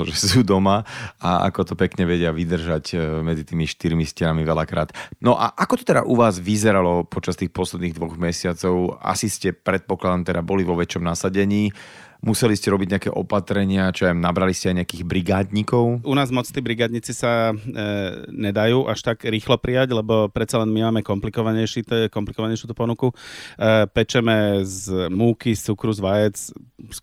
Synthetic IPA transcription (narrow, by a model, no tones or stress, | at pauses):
ʒɛsud̪ɔmaaa̰kɔt̪ɔpɛkɲɛʋɛɟɪaʋid̪r̩ʒacmɛd͡zit̪iːmiʃt̪iɾmiscɛɾamiʋɛlakɾa̰ːt̪nɔʔa̰ʔakɔt̪ɔt̪ɛd̪a̰ʔuʋaːzʋizɛɾalɔpɔt͡ʃast̪iːxpɔslɛd̪niːɣd̪ʋɔɣmɛsɪat͡sɔʊa̰siscɛpɾɛt̪̚pɔklad̪ɔmt̪ɛd̪abɔliʋɔʋɛt͡ʃɔmnasaɟɛɲiː | musɛliscɛɾɔbiɟɲɛakɛ̰ːʔɔ̰pat̪ɾɛɲɪat͡ʃɔamnabɾaliscɛaɪjɲɛakiːɣbɾiɡaːd̪ɲikɔʊʔunaːzmɔt͡st̪iːbɾiɡaːd̪ɲit͡sisa | ɲɛd̪ajuːʔaʃt̪aɡɾiːxlɔpɾʔijaɟlɛbɔpɾɛt̪t͡salɛnmimaːmɛkɔmplikɔʋaɲɛʃit̪ɛkɔmplikɔʋaɲɛjʃjut̪uːpɔnuku | pɛt͡ʃɛmɛzmuːkist͡sukɾuzʋajɛt͡ss